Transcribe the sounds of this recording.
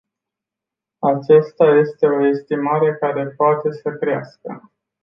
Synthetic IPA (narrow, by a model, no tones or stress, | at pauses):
at͡ʃast̪aje̞st̪e̞o̞e̞st̪imaɾe̞kaɾe̞poat̪e̞səkɾia̰skə̰